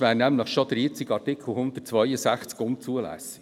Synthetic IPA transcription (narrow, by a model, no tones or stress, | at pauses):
ʋæːnæmləχʃɔd̥̪ɾiːt͡sɪkɑrtɪkʰl̩ˠhʊnd̪ətt͡sʋœʏəsæχt͡skʊnt͡suəlæ̰sə